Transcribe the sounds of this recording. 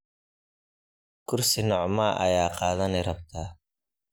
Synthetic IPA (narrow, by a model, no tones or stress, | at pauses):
kʰʊrsɪnɔʕmaʔɐ̰jaːqɑːðɐnɛɾɐb̚t̪ʰaː